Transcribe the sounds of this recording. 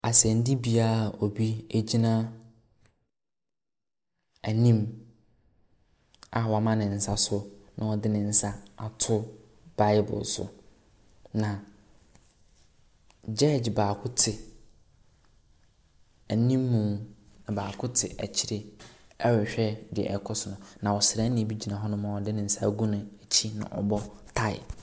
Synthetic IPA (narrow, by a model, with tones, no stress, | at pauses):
a˨sɛ̃˨n˦di˦bi˦a˦˨o˨bi˦e˦d͡ʑi˦nã˦ | æ˨nĩ˦m | a˨wmã˦nɪ̃˨n̩˨sa˦sʊ˦nã˨ɔ˨dɪ˦nɪ̃˨n̩˨sa˦a˨tʰʊ˦ | b̥a˨ɪ˦bʊ̰˨sʊ̰˨ | nã˨ | d͡ʑɛ˦˨d͡ʑbaː˨kʰʊ˦tʰɪ˨ | æ˨nĩ˦mːũ˨nã˨baː˨kʰʊ˦tʰɪ˨ʔæ̰˨t͡ɕʰi˨ɾɪ˨ | ɛ˦wɪ˨ɕᶣɛ˦dɪ˨ɛ̰˨ɛ˨kʰɔ˦sʊ˨nʊ̃˨nã˨wɔ˨sɪ˨ɾɛ˦nɪ̃˦˨bi˦d͡ʑi˨nã˨ɦɔ˦nʊ̃˦mã˨wɔ˨dɪ˦nɪ̃˨n̩˦sa˦˨ɡũ˦nʊ̃˨æ˨t͡ɕʰi˦nʊ̰̃˨ʔɔ̰˨bɔ˦tʰa˦ɪ̰˨